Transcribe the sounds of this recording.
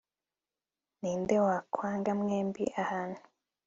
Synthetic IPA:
niːndewakʰwaːŋɡamŋeːmbḭʔahanu̥

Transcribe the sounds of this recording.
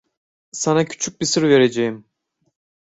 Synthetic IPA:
sanacʰy̥t͡ʃʰyc̚bisɯɾve̞ɾed͡ʒejim

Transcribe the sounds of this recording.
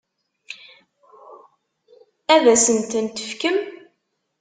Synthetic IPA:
æðæsənt̪ənt̪ə̥fkəm

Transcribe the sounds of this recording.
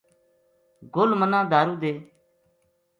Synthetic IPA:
ɡolmənãːd̪aːɾuːd̪eː

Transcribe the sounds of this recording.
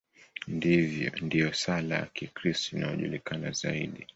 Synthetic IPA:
ndivjɔ̰ndijɔsalaja̰kikɾistinaɔʄulikanazaiɗi

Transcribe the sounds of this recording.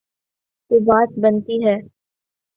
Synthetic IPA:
t̪oːbaːt̪̚bɐnt̪iɦɛː

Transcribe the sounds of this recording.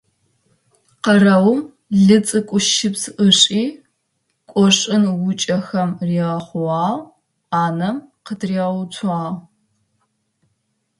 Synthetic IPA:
qɐrɐwm | ɮɨt͡sʼɨkʷʼʊʃɪpzʔəɕʼiː | kʷʼɔɕʼɪnwʊt͡ʃʼɐxɐmriːʁɐχʷʊwɑːʁ | aːnɐmqətʰriːʁɐwt͡sʷʰaːʁ

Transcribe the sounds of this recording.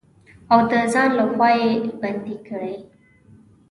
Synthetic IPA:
awd̪əzɑnlaxwɑjeband̪ikəɽaj

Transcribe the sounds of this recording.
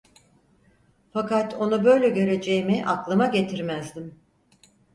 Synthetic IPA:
fakat̪ʰo̞nubø̞jlʲɛɟø̞ɾe̞d͡ʒe̞jimiʔaklˠɯmaɟe̞t̪ʰiɾmæzd̪im

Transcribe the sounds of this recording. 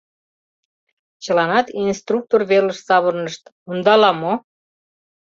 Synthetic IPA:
t͡ɕəlɑnɑt̪inst̪ruk̚t̪orβeləʃsɑβərnəʃt̪ | und̪ɑlɑmo

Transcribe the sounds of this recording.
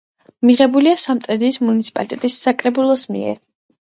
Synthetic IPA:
miʁɛbuliasamt̪ʼɾɛd̪iːsmunit̪sʰipʼa̰lit̪ʼɛt̪ʼisːakʼɾɛbulˠɔsmḭɛ̰ɾ

